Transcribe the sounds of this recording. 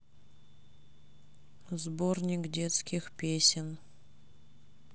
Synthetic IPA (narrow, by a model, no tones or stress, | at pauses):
zbornʲikd̪ʲet̪skʲiχpʲesʲɪn